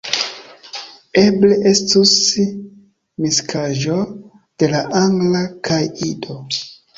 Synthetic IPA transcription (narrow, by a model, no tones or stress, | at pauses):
eble̞ʔe̞stus | miskʰaʒo̞ | d̥e̞laʔaŋɡlakʰajido̞